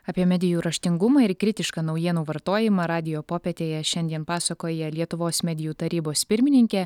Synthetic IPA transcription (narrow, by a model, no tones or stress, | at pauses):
ɑːpʲiɛmʲɛd̪ʲɪjuːɾɐʃʲt̪ʲɪŋɡʊmɐɪɾkɾʲɪt̪ʲɪʃkɐnɒʊjiɛnuːʋɐɾt̪oːjɪmɑɾɑːd̪ʲɪjoːpoːpʲɛt̪ʲeːjɛʃʲɛnʲd̪ʲiɛnpɑːsɐkoːjɛlʲiɛt̪ʊʋoːsmʲɛd̪ʲɪjuːt̪ɐɾʲiːboːspʲɪɾʲmʲɪnʲɪŋʲkʲɛ